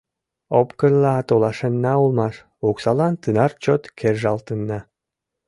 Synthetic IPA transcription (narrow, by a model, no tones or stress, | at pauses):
opkənlɑɑt̪olˠɑʃenːɑulˠmɑʃ | uksɑlˠɑnt̪ɯnɑɾt͡ɕot̪kʰerʒɑlˠt̪ɯnːɑ